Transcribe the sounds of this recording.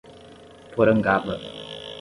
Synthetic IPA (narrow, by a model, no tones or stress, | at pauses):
twɔɾəŋ̩ɡaɓə